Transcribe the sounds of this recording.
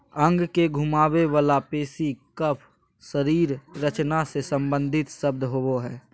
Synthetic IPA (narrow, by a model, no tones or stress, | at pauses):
ə̃ŋɡkeɡʱumaːweʋaːlapeːsikəpʰ | səɾiːɾɾət͡ʃnasesə̃mbə̃nd̪ʱɪt̪səb̚d̪ʱɦooɦɛː